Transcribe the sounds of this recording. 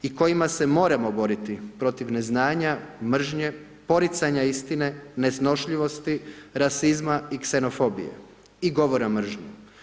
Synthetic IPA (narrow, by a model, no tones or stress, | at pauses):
iko̞jimase̞mo̞ːɾamo̞bo̞ɾit̪ipɾo̞t̪iʋne̞znaːɲamr̩ʒɲe | po̞ɾit̪saɲaist̪ine̞ne̞sno̞ʃʎiʋo̞st̪iɾasizmaikse̞no̞fo̞bḭjḛ | iɡo̞ʋo̞ɾamr̩ʒɲu